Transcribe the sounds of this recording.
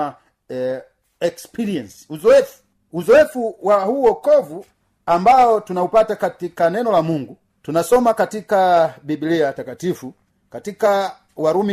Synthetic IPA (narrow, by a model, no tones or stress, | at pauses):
ɛkspiɾiɛnsi̥uzɔɛfu̥ | uzɔɛfuwahuɔkɔvu | ambaɔtunaupatakatikanɛnɔlamuŋɡu | tunasɔmakatikabibiliatakatifu | katika | waɾumi